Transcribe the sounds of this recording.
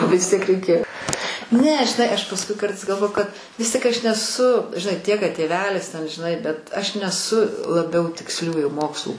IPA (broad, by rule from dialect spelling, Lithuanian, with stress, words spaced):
ʋʲɪs ˈtʲiɛk rʲɛɪˈkʲeːjoː ˈnʲɛ ʒʲɪˈnɐɪ ˈɐʃ pɐsˈkʊɪ ˈkɐrtɐɪs ɡɐlˠˈʋoːjʊ kɐt ʋʲɪs ˈtʲiɛk ɐʃ nʲɛˈsʊ ʒʲɪˈnɐɪ ˈtʲiɛk kɐt tʲeːˈʋʲæːlʲɪs tʲɛn ʒʲɪˈnɐɪ bʲɛt ˈɐʃ nʲɛˈsʊ lˠɐˈbʲɛʊ tʲɪksʲˈlʲuːjuː ˈmoːkslˠuː